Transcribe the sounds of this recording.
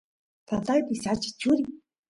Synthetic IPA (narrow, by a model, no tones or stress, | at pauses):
t̪ʰaɮaːt̪isat͡ɕɪ̥̆t͡ɕʰuːɾʲi